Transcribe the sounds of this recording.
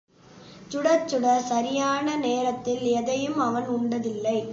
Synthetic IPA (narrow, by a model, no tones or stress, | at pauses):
t͡ʃʊɽɐt͡ʃːʊɽɐsɐɾɪjaːnɐneːɾɐt̪ːɪlɛðɐjɯmɐʋɐnʊɳɖɐðɪlːɐɪ